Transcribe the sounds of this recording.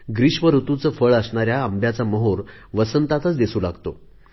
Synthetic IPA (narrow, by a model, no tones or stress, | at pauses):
ɡɾiɕʋəɾut̪ut͡səfəɭəsɳaɾjaəmbʱjat͡saməɦoɾ | ʋəsənt̪at̪ət͡sd̪isuːlaɡt̪o̰